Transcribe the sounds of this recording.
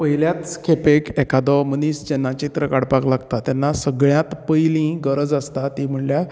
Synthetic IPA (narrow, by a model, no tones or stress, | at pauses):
pəjljat̪kʰepekɛkʰad̪ɔmənisd͡ʑenːat͡ɕit̪ɾəkaɽpaklaɡt̪at̪janːasəɡɭjãt̪pəjlĩːɡəɾəd͡zəst̪at̪im̤əɳlja